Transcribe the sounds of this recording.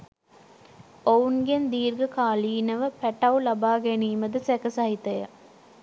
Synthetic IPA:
ounɡend̪iːɾɡəkaːliːnɐʋəpæʈɐwlɐbaːɡeniːməd̪əsækəsɐɦit̪ɐjɐ̰

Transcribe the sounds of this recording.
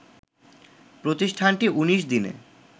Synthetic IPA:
pɾot̪iʃʈʰanʈiʔuniʃd̪inḛ

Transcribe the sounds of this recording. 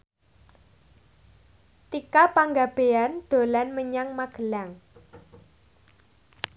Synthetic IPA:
t̪ikapaŋɡab̥eand̪̥o̤lanməɲaŋmaɡ̥ə̤laŋ

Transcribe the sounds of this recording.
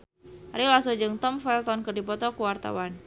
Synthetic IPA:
ɾilasɔd͡ʒɨŋt̪ɔmfɛlt̪ɔnkɨrdipɔt̪ɔkuwart̪a̰wan

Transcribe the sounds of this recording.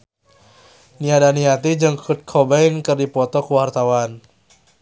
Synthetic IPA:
niadaniat̪id͡ʒɨŋkʰut̪̚kʰɔbɛinkɨrdipɔt̪ɔkuwart̪awan

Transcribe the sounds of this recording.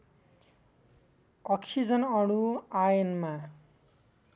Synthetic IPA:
ʌksid͡zʌnʌɽuajʌnma

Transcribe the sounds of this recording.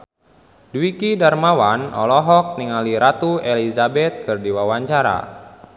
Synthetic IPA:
duwikidarmawanɔ̰lɔɦɔk̚niŋaliɾat̪uelizabɛt̪̚kɨrdiwawaɲt͡ʃaɾa̰

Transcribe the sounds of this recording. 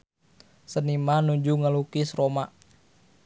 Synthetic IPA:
sənimanuɲd͡ʒuŋalukisɾoma

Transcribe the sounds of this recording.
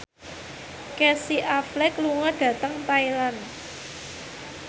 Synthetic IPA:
kɛsiʔaflɛkluŋɔɖ̥ä̤t̪əŋt̪ailan

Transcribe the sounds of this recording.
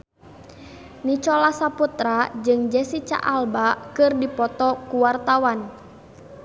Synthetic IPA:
nit͡ʃɔlasaput̪ɾad͡ʒɨŋd͡ʒɛsit͡ʃa̰ʔalbakɨrdipɔt̪ɔkuwart̪awan

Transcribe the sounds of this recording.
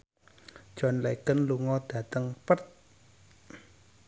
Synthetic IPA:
d̥ʒ̥ɔ̤nlekənluŋɔd̪̥ä̤t̪əŋpət̪̚

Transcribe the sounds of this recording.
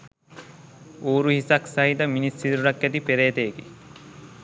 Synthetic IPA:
oːɾuɦisɐksɐɦid̪ɐminisːit̪ɾuɾɐkːæt̪ipeɾeːt̪eːɡe

